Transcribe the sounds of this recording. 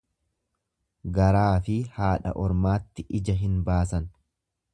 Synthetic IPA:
ɡɐɾaːfɪhaːᶑɐ̰ʔɔɾmaːt̪ːɪʔɪd͡ʒɐɦɪnbaːsɐn

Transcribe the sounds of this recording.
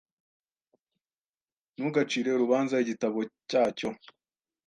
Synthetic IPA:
nuɡat͡ʃiːɾe̞uɾuβaːnzaiɟitaβo̞caːco̞

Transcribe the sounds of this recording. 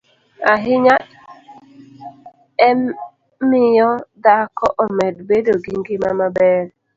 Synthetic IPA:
aɦɪɲat | ɛ | mɪjɔdakɔʔomɛdbedoɡiŋɡɪmamabɛɾ

